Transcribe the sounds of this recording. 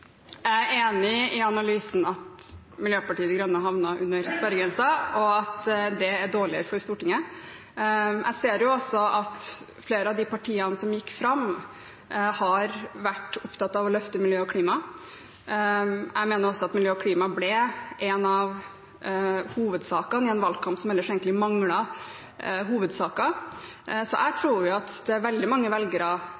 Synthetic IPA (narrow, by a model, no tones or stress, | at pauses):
æɪæɾeːnɪɪɑnɑlyːsn̩ɑt̪ | mɪljøːpɑʈiːəd̪ɡɾœnːəɦɑʋnɑʔʉnːəɾsʋæɾəɡɾɛnsɑɔɑt̪d̪ɛæɖoːɭɪəɾəfɔɾst̪uːʈʰɪŋːə | ʔæ̰ɪseːɾjʊɔsɔʔɑt̪ | fleːɾəɑʋd̪ɪpɑʈʰiːɑnəsɔmjɪkːfɾɑm | hɑɾʋæʈːʊpt̪ʰɑt̪ːɑʋɔlœft̪əmɪljøːɔkʰliːmɑ | ʔæ̰ɪmeːnəɾʊɔsːɔɑt̪mɪljøːɔkʰliːmɑblɛʔɛnɑʋ | huːʋəd̪sɑːkɑnɪɛnʋɑlkʰɑmpsɔmɛlːəʂɛːɡəɪmɑŋɽɑ | ɦuːʋəd̪sɑːkɑ | sɔʔæɪt̪ʰɾuːɾjʊɑt̪d̪̥ɛæɾʋɛld̪ɪmɑŋːəʋɛlɡəɾɑ